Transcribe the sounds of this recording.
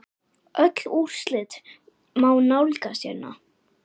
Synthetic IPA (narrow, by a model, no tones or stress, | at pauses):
ʔœt̪l̥ur̥slɪt̪ | maːwnawlkasjɛnːa̰